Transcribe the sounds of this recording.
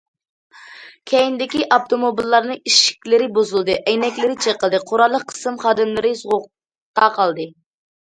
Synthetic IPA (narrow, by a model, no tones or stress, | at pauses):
kʲʰɛjind̪ɪkʲiʔɑpt̪ʰomobilˠːɑɾnɨiʃi̥kʲlɪɾɪbozulˠd̪ɨʔɛjnɛkʲlɪɾɪt͡ʃʰeqəlˠd̪ɨqʰoɾɑlˠːəqʰːə̥sɨmχɑːd̪ɨmlˠɨɾɪsʊʁʊ | t̪ɑqʰɑlˠd̪ɨ